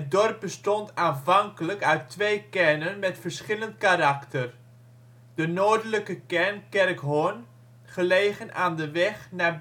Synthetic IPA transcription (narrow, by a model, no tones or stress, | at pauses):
ɦət̚dɔrp̚bəstɔntaːnvɑŋkələkœɥtʋejkɛɹnənmɛtfəɹsχɪləntkaɾɑktər | dənoːdələkəkɛɹnkɛrkɦon | χəlejχənʔaːndəʋɛχnaː